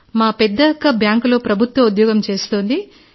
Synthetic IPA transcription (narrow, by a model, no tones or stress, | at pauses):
maːpɛd̪ːɐkɐbjaːŋklo̞ːpɾɐbʱut̪ʋɐud̪jɔːɡɐmt͡ʃe̞ːst̪oːnd̪i